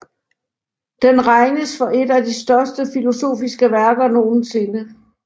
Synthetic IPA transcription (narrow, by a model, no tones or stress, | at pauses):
d̥enʁɑ̈ɪnəsfɒ̽ʔe̝dæd̥isd̥ɶɐsd̥əfilo̝so̝̰ːfisɡ̥əʋæɐɡ̥ɐno̝ːn̩se̝nə